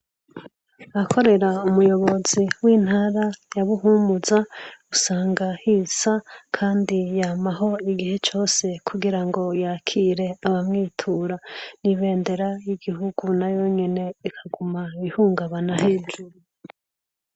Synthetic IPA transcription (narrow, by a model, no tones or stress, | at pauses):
akʰo̞ɾe̞ɾaumujo̞βo̞ziwiːn̥haːɾajaβuɦuːmuzausaːŋɡahiːsakʰaːndijamaɦo̞iɡihe̞t͡ʃo̞ːse̞kʰuɡiɾaŋɡo̞jaːkʰiːɾe̞aβamŋiːtʰuːɾaniβe̞ːnde̞ɾajiɡiɦuɡunajo̞ɲe̞ne̞ikʰaɡumaβihuːŋɡaβanaheːvuɾu